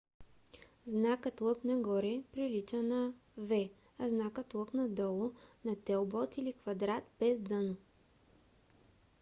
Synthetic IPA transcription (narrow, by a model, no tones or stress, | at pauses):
znakət̪lˠɤknɐɡɔɾɛpɾilit͡ʃənɐvɛ | ɐznakət̪lˠɤknɐd̪ɔlˠʊnɐt̪ɛlˠbɔt̪ilikvɐd̪ɾat̪bɛzd̪ɤno